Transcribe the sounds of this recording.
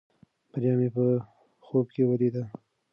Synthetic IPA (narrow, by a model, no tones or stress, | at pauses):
b̥aɾjɑmepə | xob̚kewəlid̪a